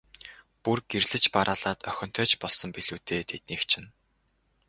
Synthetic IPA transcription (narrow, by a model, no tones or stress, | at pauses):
purɡerɮɘ̆t͡ɕpaɾʔaːɮaːt̪œxʲɞ̆n̥t̪ʰœːt͡ɕpɔɮsɞ̆mpiɮuːt̪ʰeːt̪ʰet̪̚niːkt͡ɕʰɪ̆n